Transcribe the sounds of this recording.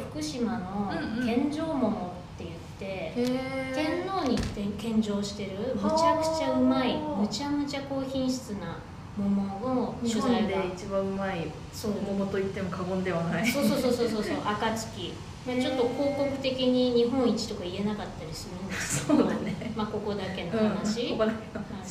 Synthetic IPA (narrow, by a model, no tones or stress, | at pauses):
ɸɯ̟̥kɯ̟ɕimano̞k̪ẽ̞ɲd͡ʑo̞ːmo̞mo̞t̪ːe̞jɯ̟t̪ːe̞ | k̪ẽ̞nːo̞ːɲ̟it̪ekẽ̞ɲd͡ʑo̞ːɕi̥t̪e̞ɾɯ̟mɯt͡ɕakɯ̟̥t͡ɕaɯ̟maimɯ̟t͡ɕamɯt͡ɕako̞ːçĩɰ̃ɕi̥t͡sɨna | mo̞mooɕzaiɡ̪eit͡ɕibãɯ̟mai | so̞ːmomot̪o̞it̪ːe̞mo̞kʰaɡõ̞nd̪e̞βanaiso̞ːso̞ːso̞ːso̞ːso̞ːsoːʔakat͡sɨ̥kʲi | mat͡ɕo̞t̪ːo̞ko̞ːko̞kɯ̟̥t̪e̞kʲiɲ̟iɲ̟iɦõ̞ɰ̃it͡ɕi̥t̪o̞kaie̞nakat̪ːaɾʲisɨɾɯneoenemako̞ko̞d̪ake̞nohanaɕikod̪ake̥ohai